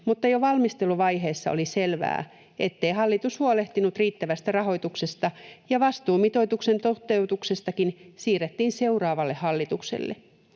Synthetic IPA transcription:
mut̪ːɑjoʋɑlmist̪eluʋɑjɦe̞ːsːɑ̰o̰liselʋæ̰ː | et̪ːe̞iɦɑlːit̪ushuɑole̞ht̪inut̪riːt̪ːæʋæst̪ærɑɦo̞it̪uksest̪ɑjɑʋɑst̪uːmit̪o̞jt̪uksent̪ot̪ːeut̪uksest̪ɑkinsiːret̪ːiːnse̞urɑːʋɑlːehhɑlːit̪uksḛlːḛ

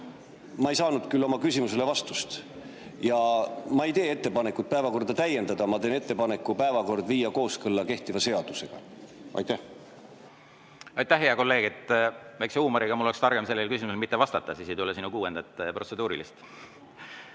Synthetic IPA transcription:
mɑejsɑːnud̪̥kylːomɑkysʲimuse̞le̞vɑst̪ust̪ | jɑmɑe̞jt̪e̞ːe̞t̪ːe̞pɑne̞kːˑut̪̚pæe̞vɑko̞rd̪̥ɑt̪æje̞nd̪ɑd̪̥ɑmɑt̪e̞ːne̞t̪ːe̞pɑne̞kˑːupæevɑko̞rd̪̥viːjɑko̞ːskɤlːɑke̞ht̪ivɑse̞ɑd̪̥use̞ɡ̥ɑ̰ʔɑ̰jt̪æh | ɑjt̪ːæhɦeɑko̞lːe̞ːɡ̥et̪ːˑvæjkseuːmɑɾiɡ̥ɑmulːekst̪ɑrɡ̥emselːelkys̬ʲimuselmit̪ːevɑst̪ɑt̪ːˑɑsiːsejt̪ulesinukuːend̪ɑt̪ːˑpro̞t̪se̞d̪uːɾilist̪

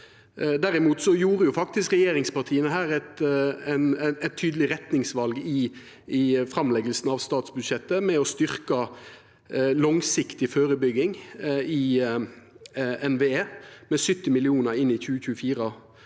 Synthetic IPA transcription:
d̪æɾɪmuːt̪sɔjuːɾəjʊfɑk̚t̪ɪskʁɛjeːɾɪŋspɑʈ̪ʰiːənəɦæːɾɛt̪ɛnɛt̪ʰːyːd̪lɪɾɛt̪nɪŋsʋɑlɡɪ | ɪfɾɑmlɛɡəlsnɑʋst̪ɑːt̪sbʉd̪ʂɛt̪ːəmɛɔst̪ʏɾkɑ | lɔŋsɪkt̪ɪføːɾəbʏɡːɪŋɪ | ɛnʋeeːmɛsʏt̪ːɪmɪlɪuːnəɾɪnɪçʉːəçʉːəfiːɾə

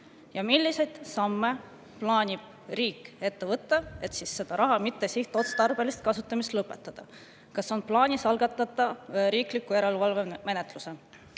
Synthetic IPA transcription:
jɑmilːise̞jd̪̥sɑmːe̞ | plɑːnʲib̥̚ | riːkːˑe̞t̪ːe̞vɤt̪ːɑe̞t̪sisːe̞d̪̥ɑɾʔɑɦɑmit̪ːesiht̪o̞t̪st̪ɑrb̥e̞list̪̚kɑsut̪ˑːɑmist̪lɤpːˑe̞t̪ːˑɑd̪̥ɑ | kɑso̞nplɑːnʲisɑlɡ̥ɑt̪ˑːɑt̪ːˑɑɾiːklikːˑuje̞ɾe̞lvɑlve̞me̞net̪ˑluse̞

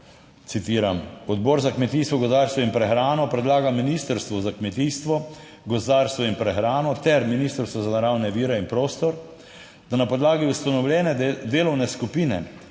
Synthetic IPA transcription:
t̪sit̪iːɾamɔd̪bɔːɾzakmɛt̪iːst̪ʋɔɡɔzd̪aɾst̪ʋɔinpɾɛxɾaːnɔpɾɛd̪laːɡaminist̪əɾst̪ʋɔzakmɛt̪iːst̪ʋɔ | ɡɔzd̪aːɾst̪ʋɔinpɾɛxɾaːnɔt̪ɛɾminiːst̪əɾst̪ʋɔzanaɾawnɛʋiːɾɛinpɾoːst̪ɔɾ | d̪̥anapɔd̪laːɡiust̪anɔwlʲjɛːnɛd̪eːlɔwnɛskupiːnɛ̰

